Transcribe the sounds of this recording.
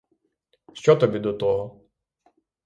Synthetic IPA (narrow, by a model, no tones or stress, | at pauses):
ʃt͡ʃɔt̪ɔbʲid̪ɔt̪ɔɦɔ